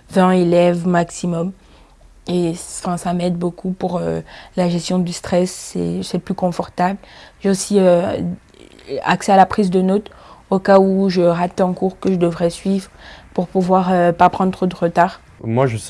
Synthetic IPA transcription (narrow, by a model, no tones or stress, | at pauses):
vɛ̃elɛvmaksimɔm | efɛ̃samɛd̪̚bokʰupuʁølaʒɛst̪jɔ̃d̪yst̪χɛsːɛ̰sɛplykɔ̃fɔʁt̪ablʒeosiø | a̰ksɛalapχizd̪ənɔt̪okauʒəʁat̪ɑ̃kuʁkəʒəd̪əvʁɛsɥivʁpuʁpuvwaʁøpapχɑ̃d̪ʁod̪əʁət̪aːʁ | mwaʒə